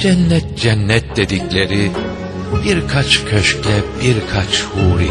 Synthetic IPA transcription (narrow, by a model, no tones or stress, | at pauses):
d͡ʒɛnːɛt̪̚d͡ʒɛnːɛt̪̚d̪e̞d̪iclʲe̞ɾi | biɾkʰat͡ʃkʰøʃclʲɛbiɾkʰat͡ʃhuːɾi